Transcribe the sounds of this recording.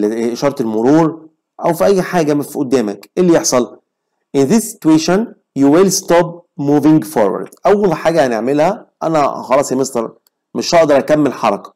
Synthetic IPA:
ʔeʃɑːɾˤt̪elmoɾuːɾ | ʔæwfiʔæjːħaːɡæmfiʔod̪ːæːmækʔelːijeħsˤɑl | ʔɪnðesːɪ̥t̪weːʃon | juwelst̪op̚muːvɪŋɡfoɾwæ̰ɾd̪̥ʔæwːælħaːɡæhæneʕmelhæʔæ̰næ̰xɑlɑːsˤemesˤt̪ɑɾˤ | meʃʔɑʔd̪ɑɾˤʔækæmːelħɑɾˤɑkɑ̥

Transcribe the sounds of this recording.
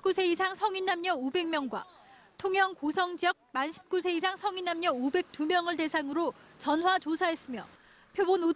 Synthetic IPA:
k͈usʰe̞isʰaŋsʰʌŋinːamɲʌnobe̞ŋmjʌŋɡwa̰ | tʰoŋjʌŋkosʰʌŋd͡ʑiʌk̚manɕʰi̥p̚k͈usʰe̞is̬ʰaŋsʰʌŋinːamɲʌobe̞k̚t͈umjʌŋɯɭte̞sʰaŋɯɾo | t͡ɕʌnwat͡ɕosʰaɦe̞s͈ɯmjʌ | pʰjobono

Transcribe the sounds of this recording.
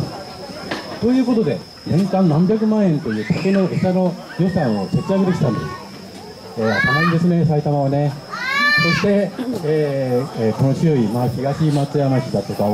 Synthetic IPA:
t̪o̞jɯ̟ːko̞t̪o̞d̪e̞ | nẽ̞ŋkãnnãmbʲjak̬ɯ̟mãɰ̃ẽ̞nt̪o̞jɯ̟ːt̪ake̞no̞esano̞ | jo̞sãɰ̃o̞so̞t͡ɕiaɡet̪ekʲi̥t̪ãnd̪e̞̰sɨ̥ | eːat̪ʰanaĩd̪e̞sɨne̞s̬ait̪amaβane̞ | so̞ɕi̥t̪e̞ | ko̞no̞ɕoimaçiɡaɕiːmat͡sɨjamaɕʲid̪at̪o̞ka

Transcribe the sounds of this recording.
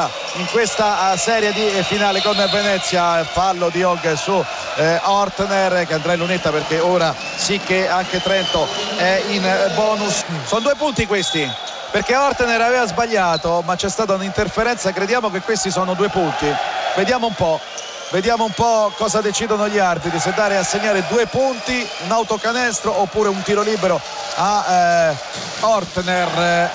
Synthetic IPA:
iŋkwest̪asɛːɾjed̪ifinaːlekonvenɛt̪sːjafalːod̪iɔɡsu | ɔrt̪nerkeand̪ɾaĩlːunet̪ːaperkeoːɾa | sikːeaŋk̟et̪ɾɛnt̪oɛinbɔːnussɔnod̪uːep̬unt̪ikwest̪i | perkeɔrt̪neɾaveːvazbaʎːaːt̪omat͡ʃːɛst̪aːt̪̬aunint̪erfeɾɛnt̪sakɾed̪jaːmokekːwest̪isɔːnod̪uːepunt̪ived̪jaːmoumpɔ | ved̪jaːmoumpɔkɔːzad̪et͡ʃiːd̪onoʎːiarbit̪ɾis̬ed̪ːaːɾeasːeɲːaːɾed̪uːepunt̪iunawt̪okanɛst̪ɾoopːuːɾeunt̪iːɾoliːbeɾo | a | ɔrt̪ner

